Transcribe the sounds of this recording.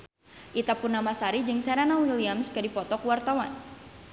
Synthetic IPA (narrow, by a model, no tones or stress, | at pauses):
ʔit̪apʊnːamasaɾid͡ʒɨŋsɛɾanawiliamskədipɔt̪ɔkuwart̪awa̰n